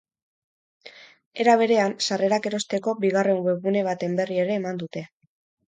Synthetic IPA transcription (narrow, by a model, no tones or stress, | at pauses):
e̞ɾaβ̞e̞ɾe̞ansare̞ɾake̞ɾo̞st̪e̞ko̞biɣ̞are̞mweɣune̞β̞at̪e̞mbe̞rie̞ɾe̞ːmand̪ut̪e̞